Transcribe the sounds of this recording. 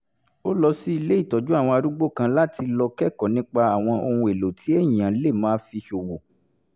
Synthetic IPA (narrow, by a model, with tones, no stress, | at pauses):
o˦lɔ˧si˦i˧le˦i˦˨tɔ˨d͡ʒu˨˦a˦˨w̃ɔ̃˧a˧ɾu˦ɡ͡bo˦˨kã˧la˦tʰi˧lɔ˧kɛ˦˨kɔ˨nĩ˦k͡pa˧a˨w̃ɔ̃˧o˧hũ˧e˨lo˨tʰi˨˦e˦˨ĩ˨ã˨˦le˦˨mãː˦fi˧ʃo˨wo˨